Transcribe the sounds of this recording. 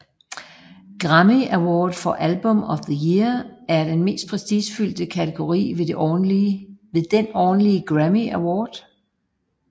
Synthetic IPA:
ɡ̥ʁamiæwɒ̰ːd̥fɒ̽ʔælb̥ɔmɒ̽fðəjiɐæɐd̥enme̝̰ːsd̥pʰʁɛsisfyl̰d̥əkʰæt͡sʰe̝ɡ̥o̝ʁḭːʋed̥e | e̝ðˠd̥enɒːn̩liəɡ̥ʁæmiæwɒ̰ːd̥

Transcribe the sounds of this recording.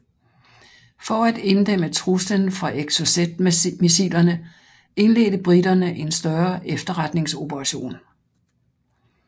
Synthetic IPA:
fɒæd̥e̝nd̥em̰ət͡sʰʁuslənfʁɑ̈ʔeɡ̥so̝sed̥misilɐnə | e̝nle̝̰ːɾ̥əb̥ʁidɐnəʔe̝nsd̥ɶɐefd̥ɐʁad̥ne̝ŋso̝b̥əʁɑ̈ɕo̝̰ːn

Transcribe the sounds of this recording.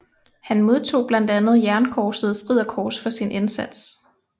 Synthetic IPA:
hænmo̝ð̞ˠt͡sʰo̝̰ːb̥læn̰d̥ænð̞̩ˠjæɐnkʰɒːsəð̩ˠsɡ̥ʁið̞̰ˠɐkʰɒːsfɒ̽sinʔensæd̥s

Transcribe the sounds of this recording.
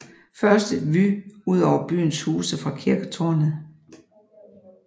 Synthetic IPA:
fɶɐsd̥əʋyuð̞̰ˠɒʊɐb̥y̰ːn̩shuːsəfʁɑ̈kʰiɐɡ̥ət͡sʰo̝ɐnð̩ˠ

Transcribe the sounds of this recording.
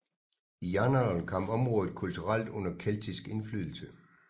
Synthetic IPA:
ijɑnɑlkʰɒ̽m̰ɒ̽mʁɔ̽ːðð̩ˠkʰult͡sʰuʁal̰d̥ɔ̽n̰ɐkʰel̰t͡sʰisɡ̥e̝nfly̰ːðˠl̩sə

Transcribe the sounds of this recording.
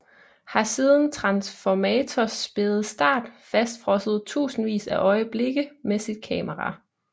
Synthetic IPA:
hɑ̈siːð̞ˠn̩t͡sʰʁɑ̈nsfɒmɛːt͡sʰɒsb̥e̝ð̩ˠsd̥ɑ̈ːd̥fæsd̥fʁɒ̽səð̞̩ˠt͡sʰṵːsn̩ʋḭːsæʔɒ̽ɪəb̥le̝ɡ̥əmesid̥̚kʰɛ̰ːməʁɑ̈

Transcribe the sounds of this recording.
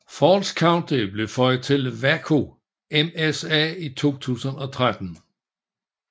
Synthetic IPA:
fɒːlskʰɑ̈ʊnd̥eb̥le̝fɒ̽ɪ̰t͡sʰe̝lʋækʰo̝ | emesɛ̰ːit͡sʰo̝̰ːt͡sʰṵːsənɒ̽t͡sʰʁad̥n̩

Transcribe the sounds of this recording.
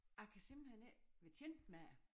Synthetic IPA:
akʰæsim̥l̩heneʋet͡sʰend̥mæ

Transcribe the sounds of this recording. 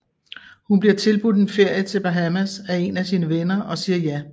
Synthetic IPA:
hunb̥liɐ̰t͡sʰe̝lb̥ud̥enfe̝ɐ̰jət͡sʰe̝lb̥æɦæmæsæe̝næsiːnəʋenɐɒ̽siːɐjæ

